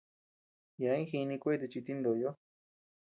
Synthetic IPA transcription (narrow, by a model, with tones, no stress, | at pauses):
ja˨˦ĩ˦xi˧nĩ˧kʷe˦˧t̪̬e˧t͡ʃi˧t̪i˦nd̪o˨jo˦